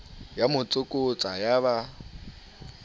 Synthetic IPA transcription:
jamʊt͡sʼʊkʼʊt͡sʼajaβa

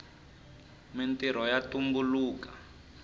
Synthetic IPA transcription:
mintiɾ̤ɔjatumbuluːkḁ

